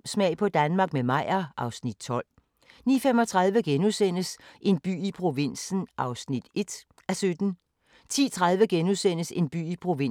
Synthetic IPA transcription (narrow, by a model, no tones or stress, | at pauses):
smɛ̰ɪpʰɒ̽d̥ænmɑ̈ɡ̥̚memɑ̈ɪ̰ɐʔɑ̈ʊsnid̥̚t͡sʰɒ̽l̰ | nḭːɐfem̰ɒ̽t͡sʰʁɑ̈ð̞ˠʋəɡ̥enusen̰əsʔe̝nb̥y̰ːipʰʁo̝ʋe̝n̰sn̩ʔɑ̈ʊsnid̥e̝d̥ | æsød̥n̩ | t͡sʰḭːt͡sʰʁað̞ˠʋəɡ̥enusen̰əse̝nb̥y̰ːipʰʁo̝ʋe̝n